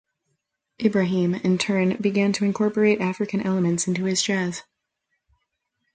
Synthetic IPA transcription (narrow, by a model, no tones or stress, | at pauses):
ʔɪbɹɨɦĩmɪ̃ntʰɜ̃˞nbɨɡæ̃ntʰɨɨ̃nkʰɔɹpə˞eɪɾæfɹɨkɨ̃nʔɛlˠəmɨ̃ntsɪ̃ntʉɨzd͡ʒɛz̥